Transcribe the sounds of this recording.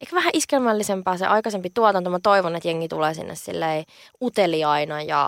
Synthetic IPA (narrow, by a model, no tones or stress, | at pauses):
eikʋæhæʔiskelmælːisempæːsḛʔɑikɑsempit̪uɑt̪ɑnt̪omːɑt̪oiʋonet̪jeŋːit̪uleːsḭnːʔḛssḭlːei | ut̪eliɑinɑjɑ̰